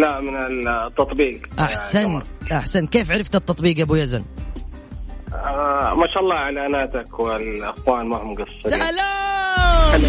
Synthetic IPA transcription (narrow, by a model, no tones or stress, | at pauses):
laʔmɪnɪt̪ːɑt̪ˤbiːɡʔaħsanʔaħsant̪̚keːfʕaɾɪft̪at̪ːɑt̪ˤbiːɡʔabujazan | amaːʃaːʔɑlˤːɑːʕalaːnaːt̪akwɪlʔɪxwaːnmahʊmɡɑsˤːla